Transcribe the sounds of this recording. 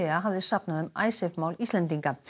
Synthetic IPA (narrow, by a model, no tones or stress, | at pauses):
ɪaɦavðɪsapnaðʏma̰ːjsɛvmaːwlist̪lɛnt̪̬iŋka